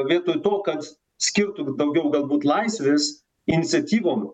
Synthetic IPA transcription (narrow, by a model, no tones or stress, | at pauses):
ʋʲiɛt̪oːjt̪oːkɐt̪ | sʲkʲɪɾt̪ʊd̪ɐʊɡʲɛʊɡɐlˠbuːt̪lˠɐɪsʲʋʲeːs | ɪnʲɪt̪sʲɛt̪ʲiːʋoːm